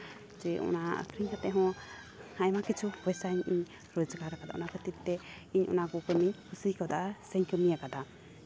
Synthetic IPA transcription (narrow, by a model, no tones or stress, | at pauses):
d͡ʒɛɔ̰na̰kɾiɲkat̪ɛɦɔ̃ | hajmakit͡ʃʰuɛsaɲiɲ | ɾod͡ʒɡaɾakad̪a̰ʔɔ̰nakət̪it̪t̪ɛ | iɲʔɔ̰nakɔkəmiɲkʰusikɔd̪aʔsəɲkəmijakad̪a